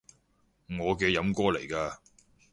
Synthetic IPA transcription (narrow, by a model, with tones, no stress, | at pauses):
ŋɔː˨˧kɛː˧jɐ˨˥mkɔː˥le˨˩jkaː˧